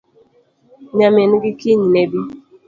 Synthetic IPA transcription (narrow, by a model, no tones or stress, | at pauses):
ɲamɪnɡikiɲnebi